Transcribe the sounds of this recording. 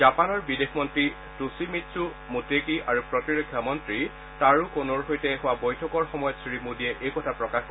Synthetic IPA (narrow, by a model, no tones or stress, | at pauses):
zapanɔɹbidexʰmɔntɹi | tusimitsu | mutekiʔaɹupɹɔtiɹokʰːjamɔntɹi | taɹukonɔɹxojtɛɦʊwabojtʰɔkɔɹxɔmɔjɔtsɹimudiɛʔejkɔtʰapɹɔkax